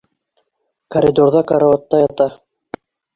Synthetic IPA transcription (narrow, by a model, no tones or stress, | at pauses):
kɐɾʲɪd̪oɾðɑkaɾaot̪ːɑjɑt̪ɑ